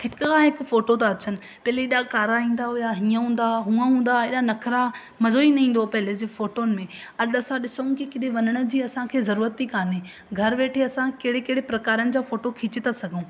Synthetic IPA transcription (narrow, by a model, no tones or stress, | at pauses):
hɪkʊkãɦɪkʊ̆foːʈot̪̬aɐt͡ɕənɪ̆ | pɐɦleɪɗakaːɾaĩːnd̪aɦʊjaɦiːãɦũːn̆d̪aɦũːãɦũːn̆d̪aɪɗanɐkʰɾa | mɐzoːinɐĩːn̆d̪opɐɦɪled͡ʑefoːʈoːnɪ̆mẽ | ɐɗɐsãɗɪsəũkikɪɗeʋɐnəɽ̃ə̆d͡ʑiːɐsãkʰeːzɐɾuːɾət̪ːikaːne | ɡʱɐɾʋeːʈʰeɐsãkeɽekeɦɽepɾɐkaːɾənɪ̆d͡ʑaːfoːʈokʰiːt͡ɕɪt̪asɐɡʱõː